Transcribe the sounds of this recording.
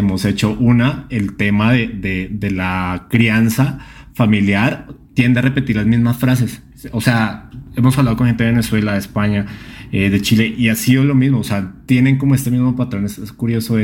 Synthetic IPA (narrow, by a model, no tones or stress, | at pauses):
emo̞se̞t͡ʃo̞ʔunaelt̪e̞maðe̞ðeðe̞lakɾiansa | familjaɾt̪je̞nd̪eare̞pe̞t̪iɾlazmizmasfɾas̬e̞s | ose̞ae̞mosaβlaðkonxent̪eðeeneswe̞laðespaɲaeðe̞t͡ʃile̞ʔiasiðolo̞mizmo̞ːse̞at̪je̞ne̞ŋko̞moe̞st̪e̞mizmo̞pat̪ɾo̞neseskuɾjo̞so